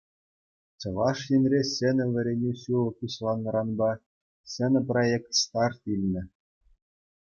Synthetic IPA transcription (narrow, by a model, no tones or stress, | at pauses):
t͡ɕɤ̆ʋɑʂjinʲrʲesʲenʲɘ̆ʋʲɘ̆ɾʲenʲeɕulˠɤ̆kuɕlˠɑnːɤ̆ɾɑnbɑ | sɘ̆nʲɘ̆projekt̪st̪ɑrt̪ilʲnʲɘ̆